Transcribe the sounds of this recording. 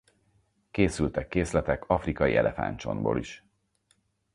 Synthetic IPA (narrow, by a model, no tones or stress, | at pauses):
keːsylt̪ɛkːeːslɛt̪ɛkɒfrikɒjiʔɛ̰lʔɛfa̰nt͡ʃo̞̰mbo̰ːliʃ